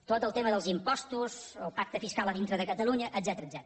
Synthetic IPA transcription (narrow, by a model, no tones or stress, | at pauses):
t̪ot̪əlˠt̪eməðəlˠzimpɔst̪uzəlˠpak̚t̪əfiskalˠəðint̪ɾəðəkət̪əluɲəʔ̪ːzɛt̪əɾəd̪zɛt̪ɾ